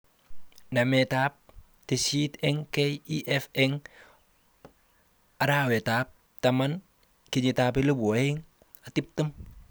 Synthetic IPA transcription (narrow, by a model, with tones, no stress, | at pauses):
na˨metaː˦p̚ | te˨si˦tɛŋkejiʔɛfɛŋ | a˨ɾaːwe˨tap̚ | tama˦n | ki˨ɲi˨tap̬e˦lu˦bo˨ɪŋ | a˨ti˦p̚tə˦m